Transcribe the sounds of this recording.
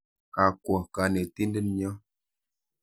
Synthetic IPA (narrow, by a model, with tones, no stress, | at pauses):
a˨kwɔ˨ka˨˦ne˨ti˦ndə˦nɲə˦